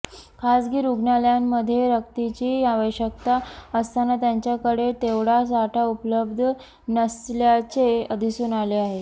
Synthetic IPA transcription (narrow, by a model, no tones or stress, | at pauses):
kʰasɡiːɾuɡnaljamːəd̪ʱjeɾəkt̪it͡ɕiːaʋəɕək̚t̪aəst̪anat̪jaɲt͡ɕjakəɽet̪eʋɽasaʈʰaupləbd̪ʱə | nəsljat͡ɕeəd̪ʱisuːnaleaɦe